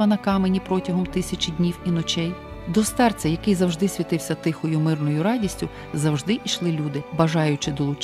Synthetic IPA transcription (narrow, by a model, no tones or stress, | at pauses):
ɐnɐkɑmenʲipɾɔtʲɐɦɔmt̪ɪsʲɐt͡ʃʲɪdʲnʲiwinɔt͡ʃɛj | d̪ɔst̪ɑrt͡sʲɐjɐkɪjzɐwʒd̪ɪsʲʋʲit̪ɪwsʲɐt̪ɪxɔjʊmɪrnɔjʊɾɑdʲisʲtʲʊ | zɐwʒd̪ɪʔiʃlˠɪlʲud̪ɪbɐʒɑjʊt͡ʃɪd̪ɔlˠʊt͡ʃ